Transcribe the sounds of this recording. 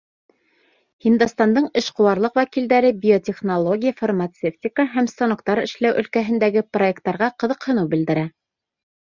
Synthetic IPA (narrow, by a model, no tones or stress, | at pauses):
hind̪ɑst̪ɑnd̪ɤɴɘʃqŏwɑɾlˠɤqwækild̪æɾɘbʲiot̪ʲeχnolˠo̞ɡʲijafarmat̪seftʲɪkəɦæmst̪onokt̪ɑɾɘ̰̆ʃlæwʔɵ̆lkæɦɘ̆nd̪æɡɘproekt̪ːɑɾʁɑqɤ̆ðɤqhɤ̆nɤwbɘ̆ld̪ɘ̆ɾæ